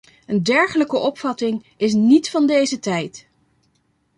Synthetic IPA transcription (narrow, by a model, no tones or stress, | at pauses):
əndɛɹχələkəʔɔpfɑtɪŋ | ɪs̬nitfɑndejzətɛjt